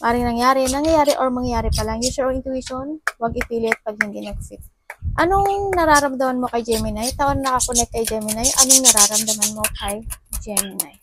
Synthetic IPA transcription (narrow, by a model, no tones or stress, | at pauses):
ʔaːɾɪŋnɐŋjaːɾɛnɐŋjɐjaːɾɛʔoɹmɐŋjaːɾɪpɐlɐŋjusɛɹɹɪnt̪uiʃonwɐɡʔɪpiːlɪt̪̚pɐɡ̚hɪnd̪inɐɡsɪs | ʔɐnoŋnɐɾaːɾɐmd̪ɐmanmo̞kɐjd͡ʒɛmɪnajt̪ɐʔonnɐkɐkonɛk̚t̪̚kːɐjd͡ʒɛmɪnajʔɐnoŋnɐɾaɾɐmd̪ɐmɐnmo̞kʰɐjd͡ʒɛmɪnaj